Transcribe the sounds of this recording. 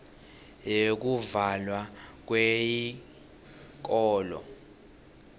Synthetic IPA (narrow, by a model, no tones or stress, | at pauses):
jek̬uvalwak̬weji | k̬ʼɔːlɔ̰